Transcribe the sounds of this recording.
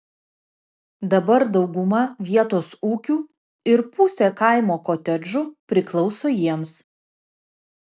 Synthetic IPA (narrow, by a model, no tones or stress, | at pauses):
d̪ɐbɐɾd̪ɒʊɡʊmɐʋʲiɛt̪oːsuːkʲuː | ɪɾpʊsʲekɐˑɪmoːkoːt̪ʲɛd͡ʒʊpʲɾʲɪklˠɒʊsoːjiɛms